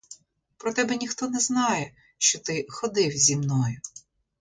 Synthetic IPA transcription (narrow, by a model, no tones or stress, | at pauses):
pɾɔt̪ɛbɛnʲixt̪ɔnɛznɑjɛ | ʃt͡ʃɔt̪ɪxɔd̪ɪwzʲimnɔjʊ